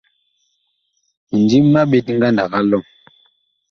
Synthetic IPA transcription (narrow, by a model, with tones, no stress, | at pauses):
n˨d͡ʒi˦mː˦a˦ɓe˨tŋ˦ɡa˦nda˨ka˦lɔ˦˨ŋ